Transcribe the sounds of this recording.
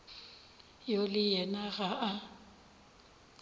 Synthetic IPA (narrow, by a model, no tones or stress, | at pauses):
jolɪjɛnaɣaʔa